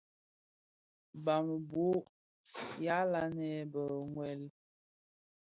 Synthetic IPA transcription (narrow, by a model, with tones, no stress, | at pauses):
ba˨m˨bo˦ʔ | ja˨˦la˦nɛ˨bə˨ŋwɛ˨l